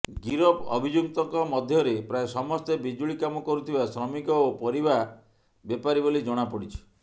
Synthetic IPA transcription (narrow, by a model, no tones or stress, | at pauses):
ɡiɾɔpɔ̰bʱid͡ʒuk̚t̪ɔŋkɔmɔd̪ʱjɔɾepɾaesɔmɔst̪ebid͡ʒuɭikamɔkɔɾut̪ʰibasɾɔmikɔopɔɾiba | bepaɾibolid͡ʒɔɽ̃apɔɽit͡ʃʰi̥